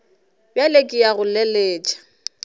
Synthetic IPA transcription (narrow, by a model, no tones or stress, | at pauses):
bjalekʼɪjaɣʊlɛleːt͡ʃʼḁ